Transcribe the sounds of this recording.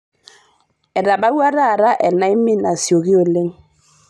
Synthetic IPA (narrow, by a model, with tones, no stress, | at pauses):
ɛ˨ɾa˨ba˦wa˦ɾa˦˨ɾa˦ʔɛ˨na˦i˦mi˦na˨sjo˨ɣi˦o˨le˦ŋ